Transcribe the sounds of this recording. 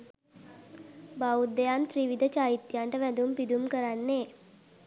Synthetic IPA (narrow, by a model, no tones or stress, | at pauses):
baud̪ːejant̪ɾiʋid̪ət͡ʃaːit̪ːjaɳʈəʋæd̪umpid̪umkəɾanːeː